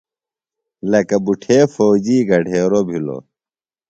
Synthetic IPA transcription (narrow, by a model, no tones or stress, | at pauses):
lɐkɐbuʈʰeːfoːd͡ʑiːɡʱɐɖʱeːɾobʱilo̰